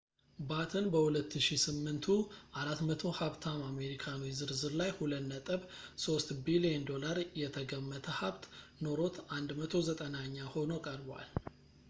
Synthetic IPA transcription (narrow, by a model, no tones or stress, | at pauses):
bat̪ʰənbəhulət̪ʰːɨʃisɨmːɨnt̪ʰuʔaɾat̪mət̪ʰo̞haβt̪ʰamame̞ɾikʰanwizɨɾzɨɾlajhulət̪nət̪ʼəβso̞st̪bilijend̪o̞laɾjɛt̪ʰəɡəmːət̪ʰəhaβt̪no̞ɾo̞t̪ʰand̪mət̪ʰo̞zət̪ʼənaɲːaho̞nokʼəɾbwa̰l